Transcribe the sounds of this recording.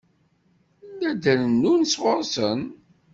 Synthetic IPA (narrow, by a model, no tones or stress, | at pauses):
næd̪ənnːunswəɾˤsən